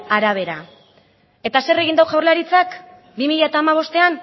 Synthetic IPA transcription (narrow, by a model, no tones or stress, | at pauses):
aɾaβ̞e̞ɾa | e̞t̪ase̞re̞ɣind̪awʝawɾlaɾit͡sak | bimiʎae̞t̪aːmaβ̞o̞st̪e̞an